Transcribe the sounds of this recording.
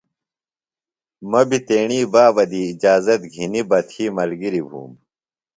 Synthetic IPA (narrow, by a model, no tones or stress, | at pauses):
mɐbit̪eːɳ̃iːbaːʋɐd̪iːd͡ʑaːzɐt̪ɡʱinibɐt̪ʰiːmɐlɡiɾibʱṵːm